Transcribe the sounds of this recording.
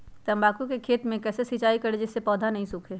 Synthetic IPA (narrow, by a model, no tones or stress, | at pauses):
t̪ɐmbaːkukekʰeːt̪mẽkɛːsesit͡ʃaːikɐɾed͡ʒɪsːepɔːd̪ʱanɐɦĩsʊkʰeː